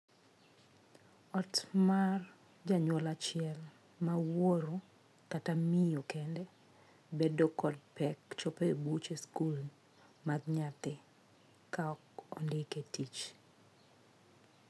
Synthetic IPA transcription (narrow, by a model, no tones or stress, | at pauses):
ɔtmar | d͡ʒaɲwɔlat͡ʃɪɛl | mawoɾo | katamijokɛndɛ | bedokɔd̚pɛkt͡ʃɔpebut͡ʃeskul | maɡɲat̪ɪ | kaɔkɔ̰ndɪketit͡ʃ